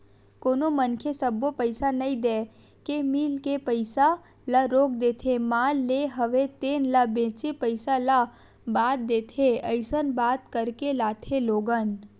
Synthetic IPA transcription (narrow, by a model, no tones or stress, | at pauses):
koːnomənkʰesəbːopəɪsanɐĩd̪eː | kemiːlkepəɪsa | laɾoːkd̪eːt̪ʰemaːlːeɦəʋet̪eːnlabẽːt͡ʃepəɪsala | baːt̪̚d̪eːt̪ʰeəɪsənbaːt̪kəɾkelaːt̪ʰeloːɡən